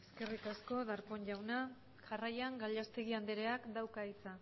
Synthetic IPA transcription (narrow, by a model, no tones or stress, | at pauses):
e̞ske̞rikasko̞ðaɾpo̞nʝawna | ʝarajaŋɡaʎast̪e̞ɣiand̪eɾe̞akd̪awkait͡sa